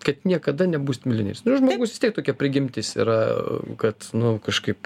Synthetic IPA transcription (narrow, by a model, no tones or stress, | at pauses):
kɐt̪nʲiɛkɐd̪ɐnʲɛbuːsʲt̪ʲmʲɪlʲɪnʲḛɛ̰ːsnʊʒmoːɡʊsʋʲɪst̪ʲiɛktoːkʲɛpʲɾʲɪɡʲɪmʲt̪ʲɪsḭːɾɐkɐt̪nʊkɐʃkɐɪp